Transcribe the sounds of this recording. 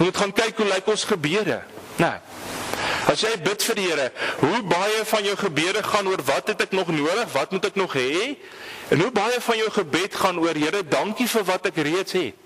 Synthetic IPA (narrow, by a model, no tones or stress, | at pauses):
mutχɑnkɛjkɦulɛjkɔnsχəbiədə̰ | nɐ | ɐsjɛjbətfərdiɦəɾəɦubɐjəfɐnjœwχəbiəɾəχɐnuərvɐtɦɛtɛknɔχnuəɾəχvɐtmutɛknɔχɦɛ | ɛnɦubɐjəfɐnjəwχəbɛtχɐnuərɦəɾədɐŋkifərvɐtɛkriətsɦɛt̚